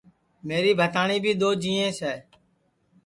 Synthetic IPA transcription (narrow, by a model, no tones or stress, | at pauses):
meːɾiːbʱət̪aːɳiːbʱiːɗ̪oːd͡ʒĩːẽːsɛː